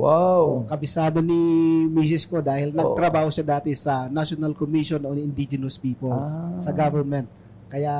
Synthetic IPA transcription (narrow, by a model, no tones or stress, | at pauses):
wawkɐbɪsaːd̪onimiːs̬ɪskod̪aːhɪlnɐɡ̚t̪ɾɐbaːhoʃad̪aːt̪ɛsɐnaʃonɐlkomiʃononɪnd̪id͡ʒɛnɐspiːpɛlsɐɡavɛɹmɛnt̪̚ | kɐja